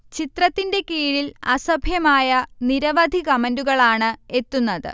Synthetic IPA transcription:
t͡ɕit̪rɐt̪ːinde̞kiːɻilɐsɐbʱjɐmaːjɐniɾɐʋɐd̪ʱikɐmɐnduɣɐɭaːɳɨe̞t̪ːunːɐðɨ̰

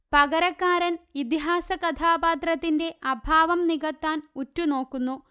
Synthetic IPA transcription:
pɐɣɐɾɐkːaːɾɐnit̪iɦaːsɐkɐt̪ʰaːbaːt̪rɐt̪ːinde̞ʔɐbʱaːʋɐmniɣɐt̪ːaːnutːuno̞ːkːunːu

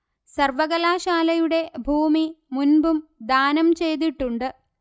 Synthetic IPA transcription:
sɐrʋɐɣɐlaːɕaːlɐjuɽe̞bʱuːmimunbumd̪aːnɐmt͡ɕe̞jt̪iʈːuɳɖɨ

